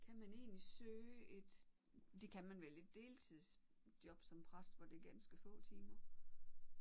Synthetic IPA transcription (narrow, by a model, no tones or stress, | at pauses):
kʰæmæne̝̰ːnlisøːʔe̝d̥ | d̥e̝kʰæmænʋele̝d̥ːe̝ːlt͡sʰið̰ˠs | d̥jɒ̽b̥sɒ̽mpʰʁasd̥fɒ̽d̥eɡ̥ænsɡ̥əfɔ̰̽ːt͡sʰiːmɐ